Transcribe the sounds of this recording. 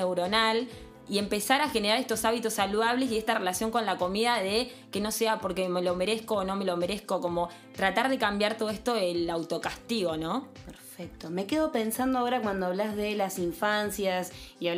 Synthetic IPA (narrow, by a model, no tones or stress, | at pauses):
ewɾo̞nal | ie̞mpe̞saɾaxe̞neɾaɾest̪o̞saβit̪osːaluðaβ̞lesiest̪are̞lasjo̞ŋko̞nlako̞miðaðe | ke̞no̞se̞apo̞ɾkeme̞lo̞me̞ɾesko̞ːno̞me̞lome̞ɾesko̞ko̞mo̞ | t̪ɾat̪aɾðe̞kambjaɾt̪oðoest̪o̞elawt̪o̞kast̪iɣo̞nõ̞peɾfek̚t̪ome̞keðo̞pe̞nsand̪oaoɾakwand̪oaβlazðe̞lasiɱfansjasiaβ